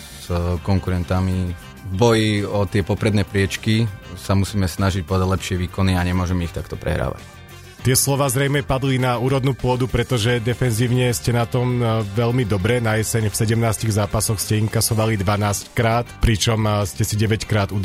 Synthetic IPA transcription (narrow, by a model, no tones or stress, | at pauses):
z̥kɔŋkuɾɛnt̪ami | vbɔjiɔt̪ɪɛpɔpɾɛd̪nɛːpɾɪɛt͡ʃkisamusiːmɛsnaʒic̚pɔd̪aɟlɛpʃɪɛʋiːkɔniaɲɛmʊɔʒɛmɛixt̪akt̪ɔpɾɛ̰ɦɾa̰ːʋa̰c | t̪ɪɛslɔʋaːzɾɛjmɛpad̪linauːɾɔd̪nuːpʊɔd̪upɾɛt̪ɔʒɛd̪ɛfɛnziːʊɲɛscɛnat̪ɔmʋɛʎmid̪ɔbɾɛnaɛsɛɲfsɛɟɛmnaːsciɣzaːpasɔxscɛiŋkasɔʋalid̪ʋanaːsckɾaːt̪pɾit͡ʃɔmscɛsiɟɛʋɛckɾaːd̪ud̪